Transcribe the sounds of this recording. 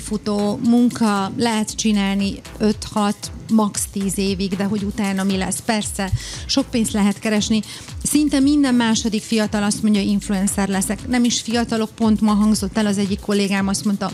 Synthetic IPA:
fut̪oːmuŋkɒlɛɦɛt̪t͡ʃinaːlni | ø̞t̪hɒt̪mɒkst̪iːzeːviɡd̪ɛɦo̞ɟut̪aːnɒmilɛsːpɛrsɛʃo̞k̚peːnst̪lɛɦɛt̪kɛɾɛʃni | sint̪ɛmːind̪ɛmmaːʃo̞d̪ikfijɒt̪ɒlɒst̪mo̞ɲɟɒiɱfluɛnsɛrlɛsɛknɛmiʃfijɒt̪ɒlok̚po̞nt̪mɒɦɒŋɡzo̞t̪ːɛlɒzɛɟːikʰːo̞lːeːɡaːmɒst̪mo̞nt̪ɒ

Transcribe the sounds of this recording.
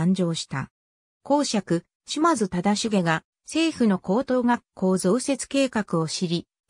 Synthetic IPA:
ɲ̟d͡ʑo̞ːɕi̥t̪a̰ | ko̞ːɕakɯ̟ | ɕimazɨt̪ad̪aɕiɡe̞ɡa | se̞ːɸɯ̟no̞ko̞ːt̪o̞ːɡḁkʰo̞ːzo̞ːse̞t͡sɨ̥ke̞ːkakɯ̟o̞ɕiɾʲi

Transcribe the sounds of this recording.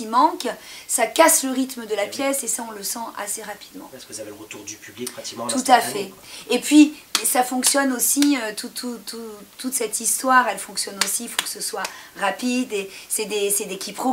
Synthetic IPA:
imɑ̃ksakasləʁit̪məd̪əlapjɛsesaɔ̃ləsɑ̃ʔa̰seʁapid̪mɑ̰̃kəzveʁət̪uʁd̪ypyblikpχat̪i̥kt̪ut̪afɛepɥiɛsafɔ̃ksjɔnosiøt̪ʰut̪ʰut̪ʰut̪ut̪sɛt̪ist̪waʁɛlfɔ̃ksjɔnosiːfokə̥səswaʁapid̪esɛd̪esɛd̪ekʲʰipχo

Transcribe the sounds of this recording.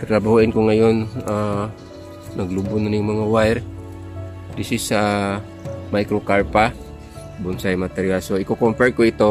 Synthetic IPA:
t̪t̪ɾɐbahuʔɪnkoŋɐjona | nɐɡlʊbʊnʊnjʊŋmɐŋawajɾ | d̪isɪsa | majkɾokaɹpa | bʊnsajmat̪ɛɾijalsoʔɪkokompɛɾkoɪt̪o

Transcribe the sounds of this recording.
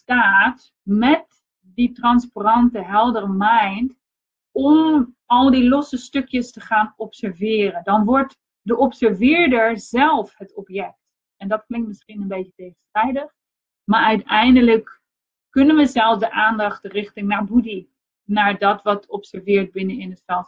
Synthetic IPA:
staːt | mɛt | ditrɑnsparɑntəɦɛlˠdərəmɛjnt | ɔm | ɑlˠdilɔsəstɵkjəstəχaːnɔpsɛɹvɪːrəndɑnʋɔɹt | dəʔɔpsɛɹvɪːɹdəɹzɛlˠfɦətɔpjɛk̚t | ɛndɑtklɪŋktmɪsχinənbejtətejχənstrɛjdəχ | maːɹœɥtɛjndələk | kɵnənʋəzɛlˠsdəʔaːndɑχtrɪχtɪŋnabudi | naːɹdɑtʋɑtɔpsɛɹvɪːɹd̚bɪnəɪnəstɛlˠ

